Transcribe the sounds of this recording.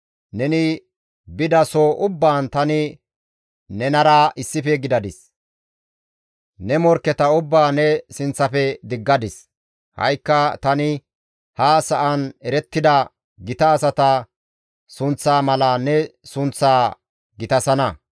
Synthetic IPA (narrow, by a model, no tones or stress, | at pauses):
nɛnɪ | bɪd̪ɐsoʔʊbːaːnt̪ɐnɪ | nɛnɐɾɐʔɪsːɪfɛɡɪd̪ɐd̪ɪs | nɛmɔɾkːɛt̪ɐʊbːaːnɛsɪnt͡sːɐfɛd̪ɪɡːɐd̪ɪs | hɐ̰jkːɐt̪ɐnɪ | hɐsɐʔɐnɛɾɛt̪ːɪd̪ɐ | ɡɪt̪ɐːsɐt̪ɐ | sʊnt͡sːaːmɐlanɛsʊnt͡sːaː | ɡɪt̪ɐsɐnɐ